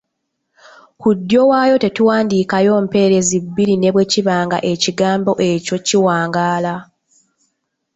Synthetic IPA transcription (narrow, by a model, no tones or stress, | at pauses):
kudːjo̞waːjo̞te̞tuwaːndiːkajo̞ːm̩pe̞ːɾe̞zibːiɾine̞βwe̞ciβaːŋɡa̰ʔe̞ciɡaːmbo̞ʔe̞co̞ciwaːŋɡaːla